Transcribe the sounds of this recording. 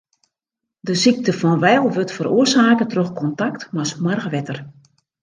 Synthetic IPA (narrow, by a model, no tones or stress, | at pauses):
dəsik̚təfɔnʋɛjlˠʋøtfəɾoərsaːkətroxkɔntaktmasmwarɣəʋɛtər